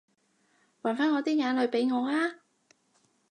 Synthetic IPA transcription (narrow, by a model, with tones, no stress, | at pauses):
waː˨˩nfaː˥nŋɔː˨˧t̪iː˥ŋaː˨˧nlɵ˨˧ɥpe˨˧jŋɔː˨˧laː˥